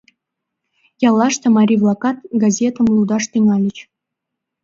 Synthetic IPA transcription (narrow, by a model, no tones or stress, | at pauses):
jɑlˠːɑʂt̪ɤ̆mɑɾʲivlˠɑkɑt̪̚ɡɑzʲet̪ə̆mlˠud̪ɑʂt̪yŋɑlʲɘ̆t͡ɕ